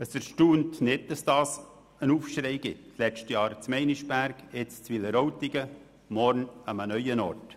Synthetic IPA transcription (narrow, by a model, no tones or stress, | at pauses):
əsəɾʃtuːntnɪd̚dɑsd̥ɑːs | ənuːfʃɾɛɪɡ̥ɪtslɛʃtəjɑːɾt͡smɛɪnɪʃb̥æɾɡɛt͡st͡sʋiləɾowtɪɡ̥ə | mɔɾnəmənœʏənɔrt